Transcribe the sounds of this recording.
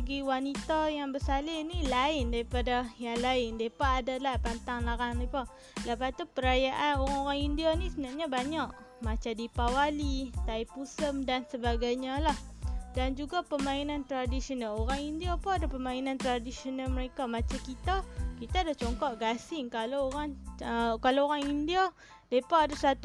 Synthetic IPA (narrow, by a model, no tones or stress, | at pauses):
ɡiwanit̪ajaŋbəsalɪnilaɪndaɾipadajaŋlaɪndaipaːdalahpant̪aŋlaɾaŋnipa | ləpat̪upəɾajaʔanoɾaŋoɾaŋindianisəənaʔɲabaɲaʔ | mat͡ʃadipawalit̪aipusəmdansəbaɡajɲalahdand͡ʒuɡapəmainant̪ɾadisionaloɾaŋindiapuadapəmainant̪ɾadisionalməɾekamat͡ʃakit̪akit̪adaht͡ʃɔŋkɔʔɡasɪŋkalaoɾaŋəkalaoɾaŋindia | depaadasat̪u